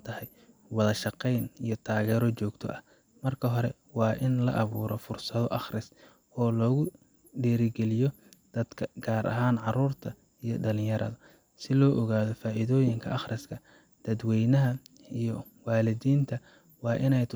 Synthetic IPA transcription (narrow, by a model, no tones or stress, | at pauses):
t̪ʰɐhɛj | wɑðɐʃɑqɛjnijɞt̪ʰaːɣɛːɾɔt͡ʃɔːɡt̪ʰɔ̰ʔɐ | mɐrkʰɐɦɔɾɛ | wɑːʔɪnlɐ̰ʔɐβuːɾɔfʊrsɐðɔʔɑχrɪs | ɔːlɔːɣʊ | ɖɛːɾɪɡɛlɪjɔ | d̪̥ɐd̪̥kʰɐɡ̥aːɾʔɐ̰ɦaːnʕɑruːrt̪ʰɐ | ijɞɖɐlɪ̃ɲjɐɾʔɐ̰ðɐ | sɪlɔːʔɔɣaːðɔfaːʔɪðɔːjɪŋkʰɐ̰ʔɑχrʔɪskʰɐ | d̪̥ɐd̪wɛjnɐɦɐ | ijɔ | wɑːlɪdiːnt̪ʰɐ | wɑːʔɪnɛjt̪ʰ